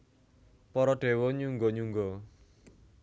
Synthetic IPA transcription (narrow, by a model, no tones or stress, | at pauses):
pɔɾɔɖ̥e̤wɔɲuŋɡɔɲuŋɡɔ